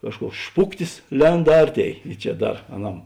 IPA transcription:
ˈkɑːʃˌkuɔks ˈʃpʊktʲɪs ˈlʲɛnt ˈɐrʲˌtʲeːɪ ɪ ˈt͡ʃʲɛ ˈdɐr ɐˈnɐm

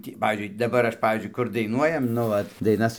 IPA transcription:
ˈtʲiː ˈpɑːʋʲiːzʲd͡ʒʲʊɪ dɐˈbɐr ˈɐʃ ˈpɑːʋʲiːzʲd͡ʒʲʊɪ ˈkʊr dɐɪˈnuɔjɛm nʊ ˈʋɐt dɐɪˈnɐs

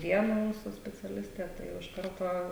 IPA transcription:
ˈʋʲiɛnɐ ˈmuːsuː sʲpʲɛt͡sʲɛˈlʲɪsʲtʲeː tɐɪ ˈjɛʊ ɪʃ ˈkɐrtoː

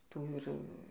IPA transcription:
ˈtuː ɪr

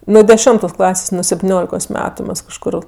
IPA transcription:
ˈnʊ dʲɛˈʃʲɪmtoːs ˈklˠɑːsʲeːs nʊ sʲɛpʲtʲɪˈnʲoːlʲɪkoːs ˈmʲæːtʊ ˈmɐs kɐʃˈkʊr

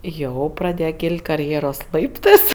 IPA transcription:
ˈjɛʊ prɐˈdʲeːjɛ ˈkʲiːlʲtʲ kɐrʲˈjeːroːs ˈlˠɐɪptɜs

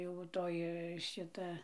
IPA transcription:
jɛʊ ˈtoːj ˈʃʲɪtɐ

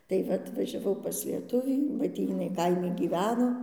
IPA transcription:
tɐɪ ˈʋɐ ɐtʋɐʒʲɛˈʋɐʊ pɐs lʲiɛˈtʊʋʲiː bɐ ˈtʲiː jɪˈnɐɪ ˈkɐɪmʲɪ ɡʲiːˈʋʲæːnoː

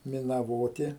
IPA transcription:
mʲɪnɐˈʋoːtʲɪ

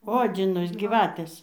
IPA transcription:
ˈoːd͡zʲɪnɐs ɡʲiːˈʋɑːtʲeːs

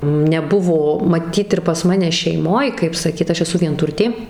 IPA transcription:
nʲɛˈbʊʋoː mɐˈtʲiːt ɪr pɐs ˈmɑːnʲɛ ʃʲɛɪˈmoːj kɐɪp sɐˈkʲiːt ˈɐʃ ɛˈsʊ ʋʲiɛnˈtʊrʲtʲeː

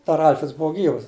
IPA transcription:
dɐr ˈɐlʲfʲrʲɛts ˈbʊʊ ˈɡʲiːʋɐs

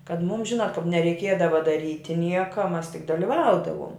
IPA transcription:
kɐt ˈmuːm ˈʒʲɪnɐt kɐp nʲɛrʲɛɪˈkʲiɛdɐʋɐ dɐˈrʲiːtʲɪ ˈnʲiɛkɐ ˈmɐs tʲɪk dɐlʲɪˈʋɐʊdɐʋuɔm

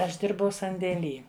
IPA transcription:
ˈɐʃ ˈdʲɪrbɐʊ sɐnʲdʲeːˈlʲiː

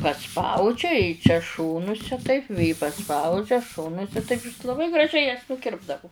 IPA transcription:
pɐˈspɐʊd͡ʒʲɛ ɪ t͡ʃʲɛ ˈʃoːnʊsʲɛ tɐɪp ʋʲeː pɐˈspɐʊd͡ʒʲɛ ˈʃoːnʊsʲɛ tɐɪp ɪs lˠɐˈbɐɪ ɡrɐˈʒʲɛɪ jɛs nʊˈkʲɪrbdɐʋʊ

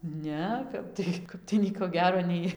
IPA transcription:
ˈnʲɛ ˈkɐp tɐɪ ˈkɐp tɐɪ ˈnʲiɛkoː ˈɡʲæːroː ˈnʲɛɪ

